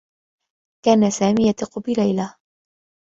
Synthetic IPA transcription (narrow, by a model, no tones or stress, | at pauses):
kaːnasaːmiːjat̪ɪqʊbɪlajla